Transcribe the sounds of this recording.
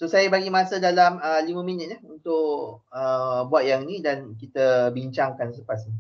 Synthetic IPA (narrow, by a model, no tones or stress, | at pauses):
sosajəbaɡimasədalaməlimə̃mĩnɪt̪̚jahunt̪ʊʔəbuat̪̚jaŋnĩdankit̪əbiɲt͡ʃaŋkansləpasni